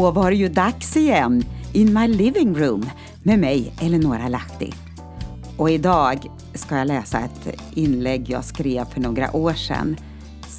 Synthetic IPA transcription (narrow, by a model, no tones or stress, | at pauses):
vaɾjɵd̪aksɪjɛnːɪnmajlɪvɪŋɾʉːm | mɛmɛjɛlːəɳoːɾalakt̪ɪ̰ | ɔɪd̪ɑːɡ | skajɑːlɛːsaɛt̪ | ɪnlɛɡːjɑ̰ːskɾeːvfœɳoːɡɾa̰ʔoːʂɛ̰nː